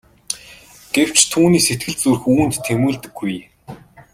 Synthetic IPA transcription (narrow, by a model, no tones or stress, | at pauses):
ɡ̥ew̥t͡ɕt̪ʰuːniːset̪ɡɘ̆ɮ̚t͡surxuːn̥t̪ʰːemuːɮt̪ɘ̆ɡːuj